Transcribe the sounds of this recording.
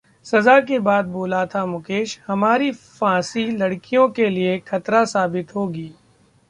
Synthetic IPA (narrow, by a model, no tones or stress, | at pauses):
sɐzak̬ebaːd̪̚boːlat̪ʰamʊkeːʃhɐmaːɾifãːsilɐɽkijõkeliekʰɐt̪ɾasaːbɪt̪ɦoːɡiː